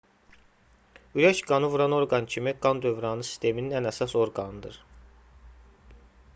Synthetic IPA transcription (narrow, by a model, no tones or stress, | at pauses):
yɾæʃɡɑnɯvuɾɑno̞ɾɡɑncʰimiɡɑnd̪ø̞vɾɑnɯsi̥st̪e̞mininænæsɑso̞ɾɡɑnɯd̪ɯɾ